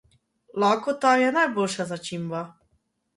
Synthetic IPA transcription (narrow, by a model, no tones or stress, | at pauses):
lɔːkot̪aːjɛnajbolʃazat͡ʃimba